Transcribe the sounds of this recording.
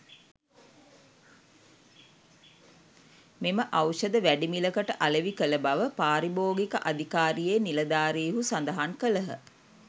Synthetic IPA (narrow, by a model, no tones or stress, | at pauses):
meməʔawʃəd̪əʋæɖimiləkəʈəʔaləʋikələbaʋəpaːɾiboːɡikəʔad̪ikaːɾijeːnilɐd̪aːɾiːɦusand̪əɦaŋkələɦə̰